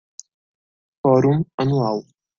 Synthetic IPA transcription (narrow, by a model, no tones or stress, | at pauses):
fɔːɾumɐnualˠ